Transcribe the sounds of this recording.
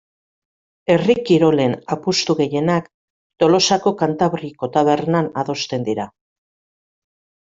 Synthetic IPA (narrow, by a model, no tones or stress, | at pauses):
e̞rikiɾo̞le̞napust̪uɣe̞je̞nak | t̪o̞lo̞sako̞kant̪aβɾiko̞t̪aβe̞rnanaðo̞st̪e̞nd̪iɾa